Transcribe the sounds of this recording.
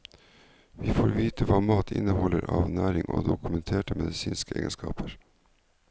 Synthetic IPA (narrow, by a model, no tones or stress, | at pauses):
ʋiːfoːɾʋiːt̪ʰəʋɑːmɑːt̪ʰɪ̰nəhɔlːəɾɑːʋnæːɾɪŋʔoːd̪ʊkʉmɛnt̪ʰeːʈəmɛd̪ɪsiːnskəḛːɡənskɑ̰ːpʰəɾ